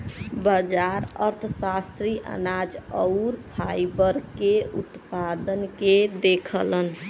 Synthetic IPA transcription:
bəd͡ʒaɾəɾt̪ʰəsast̪ɾiʔə̰nad͡ʒəʊɾpʰajbəɾkeut̪pad̪ənked̪ekʰələn

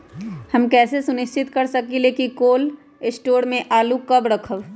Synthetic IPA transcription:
hɐmkɛːsesʊnɪʃt͡ʃɪt̪kɐɾsɐkileːkikoːl | ɪsʈoːɽmẽʔaːlukɐbɾɐkʰəʋ

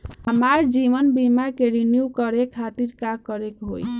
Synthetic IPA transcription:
ɦəmaɾd͡ʒiʋənbimakeɾinjukəɾekʰːat̪iɾkakəɾekɦo̰j

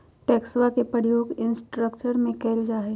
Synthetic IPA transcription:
ʈɛːksʋakepɾəɾjoːɡɪ̃nsʈɾəkt͡ʃəɾmẽkɛːld͡ʒaːɦe

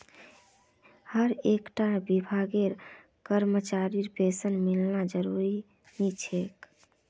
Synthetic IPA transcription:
həɾekʈabibʱaɡeɾ | kəɾmət͡ʃaɾiɾpesənmilnad͡ʒəɾuɾi | nit͡ʃʰek

